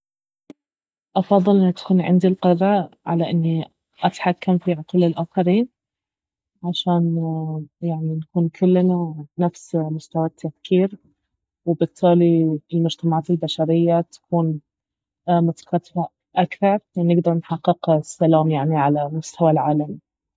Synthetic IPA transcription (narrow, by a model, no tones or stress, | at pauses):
ʔɑfɑðˤːɨlʔɪnːat̪ḁkuːnʕɪ̰nd̪ilqɑd̪ˤaʕa̰laʔɪnːi | ʔat̪ħakːamfiʕʊt̪uːlɪlʔaːxɑɾiːn | ʕaʃaːn | jaʕninakuːnkʰʊlːnanafsmʊst̪awat̪ʰːafkʰiːɾ | wɪbɨt̪ˤːɑːliɪlmʊd͡ʒt̪amaʕaːt̪ɪlbaʃaɾɪjːat̪ḁkuːn | mʊt̪ḁkat̪faʔ | ʔakθɑɾˤanːɪɡd̪ɑɾˤnħɑqːɪqsːalaːmjaʕniʕalamʊst̪ʰawalʕaːlami